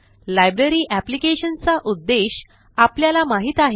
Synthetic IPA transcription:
lajbɾəɾiːʔæplikeɕənt͡saʔud̪ːeɕ | apljalamaɦiːt̪aɦe

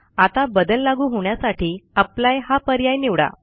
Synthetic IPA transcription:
at̪abəd̪əlːaɡuːɦoɳjasaʈiːaplajɦapəɾjajniʋɽa̰

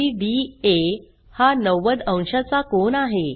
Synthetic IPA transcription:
iɖie | hanəʋəd̪ə̃w̃ɕat͡sakonaɦe

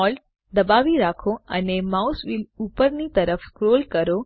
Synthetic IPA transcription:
ɔl | d̪əbaʋiɾakʰoə̰nemausʋilupəɾnit̪əɾəfkɾolkəɾo

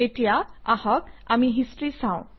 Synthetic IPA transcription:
etijaahɔka̰miɦistɹisãʊ̃

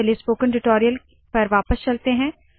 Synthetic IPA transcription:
eliespoːkə̃nʈɪʈɔːɾijəl | pɐɾʋaːpəst͡ʃɐlt̪eɦɛ̃ː

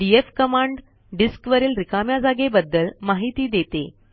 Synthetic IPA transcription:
ɖiefkəmaɳɖ | ɖiskʋəɾiːlɾikamjad͡zaɡebəd̪ːəlmaɦit̪iːd̪et̪e

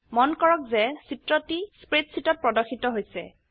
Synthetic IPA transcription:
mɔnkɔɹɔk̚zɛsitɹɔtispɹetsitɔt̚pɹɔdɔxitɔɦojsɛ̰

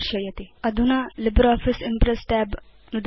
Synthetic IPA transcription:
ʃəjat̪eəd̪ʱunalibɾɔfisimpɾesʈɛb | nud̪

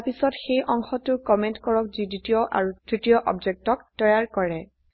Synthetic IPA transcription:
pisɔtxejʔɔŋxɔtʊkɔmentkɔɹɔk̚ziditiɔʔa̰ɹudɹitijɔʔɔ̰bd͡ʒek̚tɔktɔjaɹkɔɹɛ

